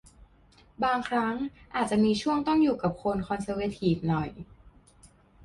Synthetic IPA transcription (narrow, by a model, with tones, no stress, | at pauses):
baː˧ŋkʰɾa˦˥ŋʔaː˨˩t̪̚t͡ɕa˨˩miː˧t͡ɕʰu˥˩əŋt̪ɔ˥˩ŋjuː˨˩ka˨˩p̚kʰo˧nkʰɔ˧nsɤː˧we˧˥t̪ʰiː˨˩f̚nɔ˨˩j